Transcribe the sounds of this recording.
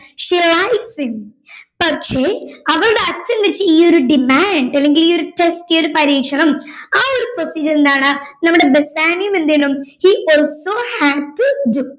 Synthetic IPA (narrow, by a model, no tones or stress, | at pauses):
ʂelajsim | pɐkʂeːɐʋɐrɨɽeɐt͡ɕːɐnʋɐɾit͡ɕːɨiːoɾuɖimaːɳɖɐlːe̞ŋɡiliːoɾuʈesʈioɾupɐɾiːkʂɐrɐmaːoɾuposid͡ʑɐlend̪aːɳɨnɐmːuɽe̞besaːnjumenːiɳːumhiʔoːlsoːhæɖ̚tuɖu